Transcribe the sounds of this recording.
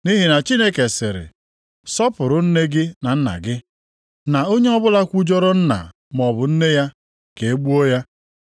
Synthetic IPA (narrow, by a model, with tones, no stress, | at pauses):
ni˦ɦi˨na˨t͡ʃi˦ne˦ke˨sɪ˨ɾɪ̰˨ | sɔ˦pʊ˨ɾʊ˨n̩˦ne˦ɡɪ˦na˨n̩˦na̰˨ɡɪ˦ | na˨o˦ɲe˦ɔ˦bʊ˦la˦kʷu˦d͡ʒɔ˦ɾɔ˦n̩˦na̰˨ | m˨ɔ˨bʊ˨n̩˦ne˦ja˦ | ke˨e˦ɡ͡bu˦o˦ja˦